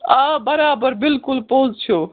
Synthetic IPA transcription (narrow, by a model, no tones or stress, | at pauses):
abɐɾaːbəɾbɪlkʊlpoːzt͡ʃʰo